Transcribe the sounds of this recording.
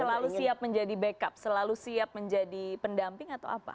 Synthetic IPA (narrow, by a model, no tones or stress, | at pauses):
səlalusiap̚məɲd͡ʒadibəkap̚səlalusiap̚məɲd͡ʒadipəndampɪŋat̪awapa̰